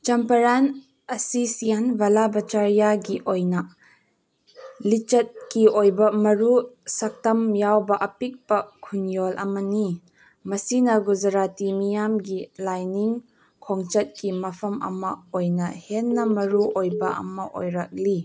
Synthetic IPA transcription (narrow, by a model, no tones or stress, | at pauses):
t͡ʃɐmpɐɾan | ɐsisijɐnbɐlabɐt͡ʃaɾijaɡiʔojna | lit͡ʃɐt̚kiʔojbɐmɐɾusɐk̚tɐmjawbɐʔɐpik̚bɐkʰunjolʔɐ̰mɐni | mɐsinɐɡuzɐɾatimijamɡilajniŋ | kʰɔŋt͡ʃɐt̚kimɐpʰɐmɐ̰mɐ̰ojnɐhenːɐmɐɾuʔojbɐʔɐ̰mɐʔo̰jɾak̚li